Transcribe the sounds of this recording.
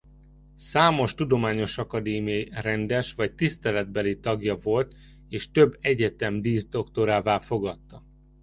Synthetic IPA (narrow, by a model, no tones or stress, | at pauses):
saːmo̞ʃt̪ud̪o̞maːɲo̞ʃɒkɒd̪eːmijɒirɛnd̪ɛʃʋɒct̪ist̪ɛlɛd̪bɛlit̪ɒɡjɒvo̞lt̪ | eːʃt̪ø̞bːɛɟɛt̪ɛmd̪iːzd̪o̞kt̪o̞ɾaːvaːlfo̞ɡɒt̪ːɒ